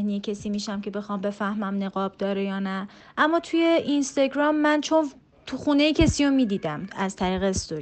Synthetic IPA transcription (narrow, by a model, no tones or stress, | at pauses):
hnijecʰesiːmiːʃæmcʰe̞be̞xɒːmbe̞fæhmæmne̞ɣɒːb̥̚d̪ɒːɾejɒːnæ | ʔæmːɒːt̪ʰuje̞inst̪ɒɡɾɒːmːænt͡ʃʰo̞n | t̪ʰuxuːne̞jecʰesiːjomiːd̪iːd̪æmæz̥t̪ʰæɾiːɣest̪oɾi